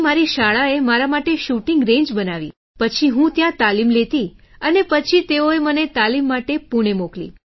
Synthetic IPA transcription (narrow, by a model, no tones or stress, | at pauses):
maɾiʃaɭaemaɾamaʈeʃuʈĩŋɡɾẽɲd͡ʒbənaʋḭ | pət͡ʃʰiɦũt̪jãt̪alimlet̪i | ənepət͡ʃʰit̪eoemənet̪alimːaʈepuɽ̃emoklḭ